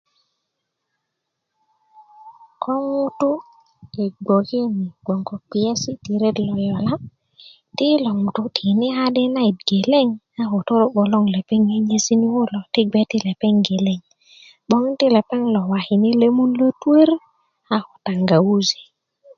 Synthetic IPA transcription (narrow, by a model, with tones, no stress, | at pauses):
kʰɔ˦ŋu˦tu˦ | i˨ɡ͡bo˨ki˦ni˨ɡ͡bo˨ŋɡɔ˨k͡pi˨e˦si˦ti˨ɾe˦dlɔ˨jɔ˨la˦ | ti˦lo˨ŋu˨tu˨tʰi˨ni˦a˦de˦na˦i˨t̚ɡe˨le˦ŋ | a˦ho˨to˦ɾo˦ɓo˨lo˦ŋle˨pe˦ŋe˦ɲe˦si˦ni˦wo˦lɔ˨ti˦ɡ͡be˦ti˦le˨pe˦ŋɡe˨le˦ŋ | ɓo˦ŋ˦ti˦le˨pe˦ŋlɔ˨wa˨hi˨ni˦le˦mu˦nlo˦tu˦e˦ɾ | a˦ho˨ta˨ŋɡa˨wu˦zi̥˨